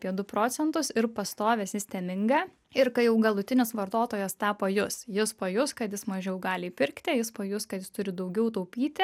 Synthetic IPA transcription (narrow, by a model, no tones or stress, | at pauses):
pʲiɛd̪ʊpɾoːt͡ssʲɛnt̪ʊsɪɾpɐst̪oːʋʲɛsjɪst̪ʲɛːmʲɪŋɡɑː | ɪɾkɐɪjɛʊɡɐlˠʊt̪ʲɪnʲɪsʋɐrt̪oːt̪oːjɛst̪ɑːpɐjʊsjɪspɐjʊskɐt̪jɪsmɐʒʲɛʊɡɑːlʲɪipʲɪɾʲkt̪ʲɪjɪspɐjʊskɐt̪jɪst̪ʊɾʲɪd̪ɐʊɡʲɛʊt̪ɐʊpʲiːt̪ʲɪ